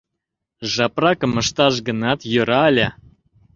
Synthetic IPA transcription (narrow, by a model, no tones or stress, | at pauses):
ʒɑprɑkɤ̆mə̆ʃt̪ɑʒɡə̆nɑt̪jə̆ɾɑːlʲæ